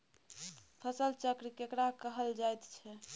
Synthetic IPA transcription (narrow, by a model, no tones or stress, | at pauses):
pʰəsəlt͡ʃəkɾikekɾakəɦəld͡ʒajt̪t͡ʃʰɛ